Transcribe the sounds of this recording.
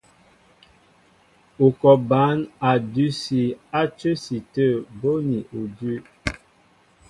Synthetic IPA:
u˨kɔ˨ba˨˦na˨dʉ˦si˨a˦t͡ʃə˦si˨tə˦˨bo˦ni˨ʔu˨dʉ˦

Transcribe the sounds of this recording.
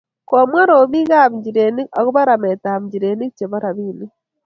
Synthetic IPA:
ko˨mwa˦ɾo˨mi˦ɣa˦˨βi˨ɲɟi˨ɾe˨ni˦a˨ɣu˦βa˦ɾa˨me˨ta˨βi˨ɲɟi˨ɾe˨ni˦kt͡ʃe˨βa˦ɾa˨βiː˦ni˦

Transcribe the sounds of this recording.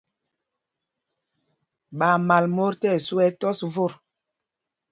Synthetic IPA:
ɓa˨ma˨lmo˦ɾtɛ˦˨su˦ɛ˦tɔ˦svo˦˨ɾ

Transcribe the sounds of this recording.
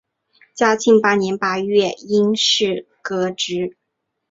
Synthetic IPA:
t͡ɕja˥t͡ɕʰi˥˩ŋpa˥njɛ˧˥npa˥ɥɛ˥˩i˥ŋʂɻ̩˥˩ | kɤ˧˥ʈ͡ʂɻ̩˧˥

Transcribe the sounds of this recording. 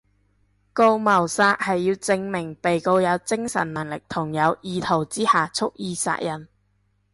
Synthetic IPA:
ko˧wmɐ˨˩wsaː˧t̚hɐ˨jːiː˧wt͡sɪ˧ŋmɪ˨˩ŋpe˨jko˧wjɐ˨˧wt͡sɪ˥ŋsɐ̰˨˩nːɐ˨˩ŋlɪ˨k̚t̪ʰʊ˨˩ŋjɐ˨˧wjiː˧t̪ʰo˨˩wt͡siː˥haː˨t͡sʰʊ˥k̚jiː˧sa̰ː˧k̚jɐ˨˩n

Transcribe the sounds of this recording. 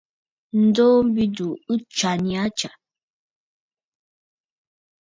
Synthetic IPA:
n̩˦do˦m̩˦bi˦du˨u˦t͡ʃa˨nĩ˨a˦t͡ʃa˨

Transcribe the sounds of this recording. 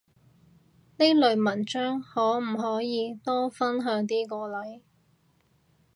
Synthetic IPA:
ne˥lɵ˨˧ɥmɐ˨˩nt͡ʃœː˥ŋhɔː˨˥m̩˨˩ɦɔː˨˥jiː˨˧t̪ɔː˥fɐ˥nɦœː˨˧˥ŋt̪̬iː˥kɔː˧lɐ˨˥j

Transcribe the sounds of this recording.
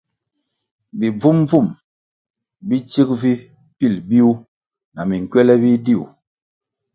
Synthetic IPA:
bi˨b͡vu˦mb͡vu˦˨m | bi˦t͡ʃi˦k̚vi˦ | pi˦˨lbi˦u˦ | na˨mi˨ŋ˨kwɛ˦lɛ˦bi˦di˦˨ṵ˨

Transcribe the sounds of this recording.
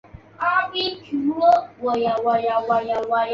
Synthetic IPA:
ʔa˨˦bi˦ki˨ɾo˦wa˨ja˨wa˨ja˨wa˨ja˨wa˨j

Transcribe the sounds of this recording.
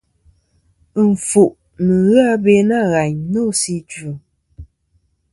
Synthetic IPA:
ɱ̩˨fu˨ʔ | nɨ˨ɣa˦be˦na˦˨ɣa˨ɲno˦si˦t͡ʃu˨

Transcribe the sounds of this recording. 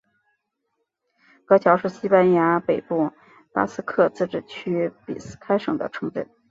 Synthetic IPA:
kɤ˧˥t͡ɕʰjɑ˧˥ʊʂɻ̩˥˩ɕi˥pa˥nja˧˥pe˨˩ɪpu˥˩ | pa̰˥sɹ̩˥kʰɤ˥˧t͡sɹ̩˥˩ʈ͡ʂɻ̩˨˩t͡ɕʰy˥pḭ˨˩s̩˥kʰa˥ɪʂɤ̰˨˩ŋd̪ə̰˦ʈ͡ʂʰɤ˧˥ŋʈ͡ʂə̰˥˩n

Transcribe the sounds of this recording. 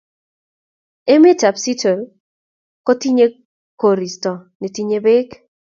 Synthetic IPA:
e˦me˦ta˨psi˦to˨l | kɔ˦ti˦ɲe˦ | ko˨ɾi˨stɔ˨ne˨ti˦ɲe˦be˦k

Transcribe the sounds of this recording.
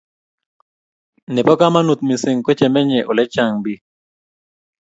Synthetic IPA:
nɪ˨pɔ˦ka˦ma˦nu˨t̪̚mi˨sɪ˨ŋko˦t͡ʃɛ˨mɛ˦ɲɛ˨ʔo˨lɛ˦t͡ʃa˦˨ŋbi˦

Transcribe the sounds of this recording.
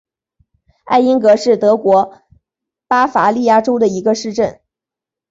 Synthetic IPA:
a̰˥˩ɪi˥ŋkɤ˧˥ʂɻ̩˥˩t̪ɤ˧˥kwɔ˧˥ | pa˥fa˧˥li˥˧ja˥˩ʈ͡ʂo˥ʊd̪ə˨i˧˥ɡə˧ʂɻ̩˥˧ʈ͡ʂə˥˩n

